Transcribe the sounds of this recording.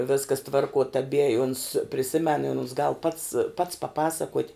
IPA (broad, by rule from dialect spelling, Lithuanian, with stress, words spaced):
ˈʋʲɪskɐs ˈtʋɐrkuɔ tɐˈbʲiɛ ɪ ʊns pʲrʲɪˈsʲɪmʲɛn ɪ ʊns ɡɐlˠ pɐts pɐts pɐˈpɑːsɐkuɔtʲ